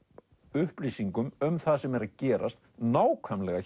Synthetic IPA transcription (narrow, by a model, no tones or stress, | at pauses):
ʏhpliːsiŋkʏmʏmθaðsɛmɛɾaðcɛːɾʔa̰st̪naːwkʰvœmlɛɣa